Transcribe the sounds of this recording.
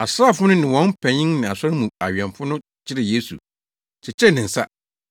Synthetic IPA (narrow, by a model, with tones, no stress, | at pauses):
a˨sɾaː˦˨fʊ˦nʊ̃˦nɪ̃˨wɔ̃˨˦n˦pʰɛ̃˨ɲɪ̃˦ŋnɪ̃˨a˨sɔ˦ɾɪ˦mũ˨a̰˨ɥɛ̃˨nfʊ˦nʊ̃˦ | t͡ɕʰɪ˦ɾɪ˨je˦sṵ˨ | t͡ɕʰɪ˨t͡ɕʰɛ˦˨nɪ̃˨n̩˨sa̰˦